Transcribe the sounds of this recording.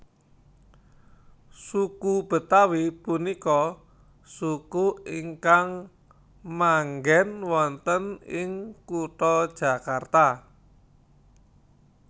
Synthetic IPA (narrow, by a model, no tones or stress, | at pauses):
sukub̥ə̤t̪awipunikɔ | sukuiŋkaŋ | maŋɡɛnwɔnt̪ənɪŋkuʈɔd̥ʒ̥ä̤kart̪a